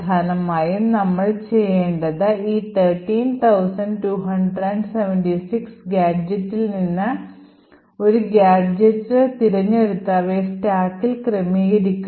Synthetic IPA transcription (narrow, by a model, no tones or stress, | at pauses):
d̪ʱaːnɐmaːjumnɐmːɐɭt͡ɕe̞jːeːɳɖɐðɨiːt̪ʰɐːʈːiːnt̪ʰɐwsɐnɖʈuːɦɐɳɖrɐɳɖseʋɐnʈisiksɡjaːd͡ʑɐtːilninːɨ | o̞ɾuɡaːd͡ʑɐtːɨt̪iɾɐɲːeɾut̪ːaːʋesʈaːkːilkremiɣɐɾikʲː